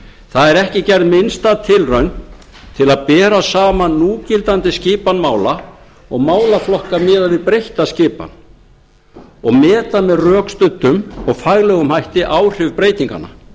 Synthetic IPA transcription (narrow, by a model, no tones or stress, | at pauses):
θaðɛɾɛhcɪcɛɾðmɪnst̪at̪ʰɪlrœɥn | t̪ʰɪlaðpɛːɾasaːmanuːcɪlt̪ant̪ɪscɪːpanmaːwla | ɔɣmaːwlaflɔhkamɪːðavɪpɾejht̪ascɪːpa̰n | ɔɣmɛːt̪amɛðrœːkst̪ʏt̪ːʏmɔɣfaɣlɛɣʏmhajht̪ɪʔaːwr̥ɪvpɾejt̪iŋka̰na̰